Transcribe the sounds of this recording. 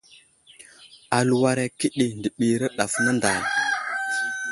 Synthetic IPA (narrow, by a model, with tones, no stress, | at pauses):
a˨lu˨wa˨ɾe˨ki˦ɗi˨ndi˨ɓi˨ɾə˦ɗa˨fna˦nda˨j